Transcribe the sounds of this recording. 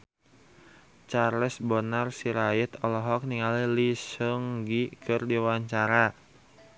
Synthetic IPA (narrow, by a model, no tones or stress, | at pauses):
t͡ʃarlɛsbɔnarsiɾait̪ɔlɔɦɔk̚niŋalilisɔŋɡikʰɨrdiwaɲt͡ʃaɾa